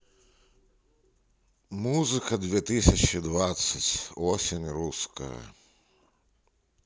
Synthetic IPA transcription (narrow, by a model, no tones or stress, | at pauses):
muzɨkɐd̪ʲʋʲɛt̪ɪsʲɐt͡ʃid̪ʋat̪sːɐtʲɔsʲinʲɾuskɐ̰jɐ̰